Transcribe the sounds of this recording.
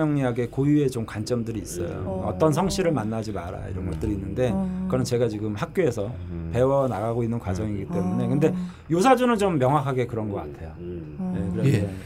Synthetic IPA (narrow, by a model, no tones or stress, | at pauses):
ʌŋɲiaɡe̞kojue̞t͡ɕomkant͡ɕ͈ʌmdɯɾiːs͈ʌ̰jo̰ʌ̰t͈ʌns̬ʰʌŋɕʰiɾɯɭmanːad͡ʑimaɾa̰ḭɾʌnɡʌt͈ɯɾiːnːɯnde̞kɯʌnɯt͡ɕe̞ɡat͡ɕiɡɯmhak̚k͈oe̞sʰʌ | pe̞wʌnaɡaɡoinːɯnkwad͡ʑʌŋiɡit͈e̞mune̞kɯnde̞ | jos̬ʰad͡ʑunɯnt͡ɕomːjʌŋɦwakʰaɡe̞kɯɾʌnɡʌk͈a̰tʰe̞jo | je̞kɯɾee